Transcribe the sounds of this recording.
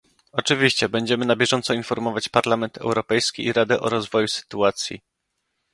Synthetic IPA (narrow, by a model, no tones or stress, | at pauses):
ɔt͡ʂɘvʲiɕt͡ɕɛbɛɲd͡ʑɛmɘnabʲjɛʐɔnt̪sɔinfɔɾmɔvat͡ɕpaɾlamɛnt̪ʰɛ̰wɾɔpɛjskʲiʔiɾad̪ɛʔɔɾɔzvɔjusɘ̥t̪uat̪sʲjḭ